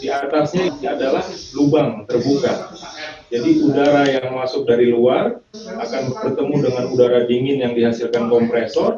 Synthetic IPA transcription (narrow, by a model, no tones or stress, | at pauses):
diat̪asɲaadalahlubaŋt̪ərbuka | d͡ʒadiʔudaɾajaŋmasʊk̚daɾiluar | akanbərt̪əmudəŋanudaɾabiŋɪnjaŋdihasilkankɔmpɾesɔr